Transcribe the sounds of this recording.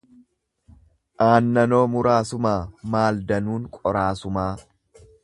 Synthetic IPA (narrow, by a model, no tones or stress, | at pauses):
ʔaːnːɐno̞ːmʊɾaːsʊmaːmaːld̪ɐnuːŋkʼɔɾaːsʊmaː